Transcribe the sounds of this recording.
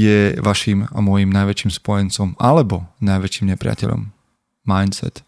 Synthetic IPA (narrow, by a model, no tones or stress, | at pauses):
jɛʋaʃiːma̰mɔjimnajʋɛt͡ʃiːmspɔjɛnt͡sɔmalɛbɔnajʋɛt͡ʃiːmɲɛpɾɪa̰cɛ̰ʎɔ̰mː | ajnsɛ̰t̪